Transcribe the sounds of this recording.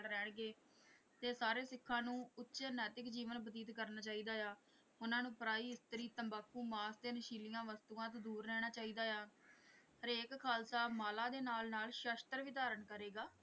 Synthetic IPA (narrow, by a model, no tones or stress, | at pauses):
ɽɾɛːɳɡeː | t̪eːsaːɾeːsɪkʰːãːnũːʊtːʃeːnɛːt̪ɪkd͡ʒiːʋənbəd̪iːt̪kəɾnaːt͡ʃaːiːd̪aːjaː | ʊnãːnũːpɾaːiːɪst̪əɾiːt̪ə̃mbaːkːuːmaːst̪eːnəʃiːlɪjãːʋəst̪uːãːt̪ːd̪uːɾːɛːɽ̃aːt͡ʃaːiːd̪aːjaː | əɾeːkkʰaːlsaːmaːlaːd̪eːnaːlnaːlʃəːʃt̪əɾʋɪt̪aːɾəɳkəɾeːɡaː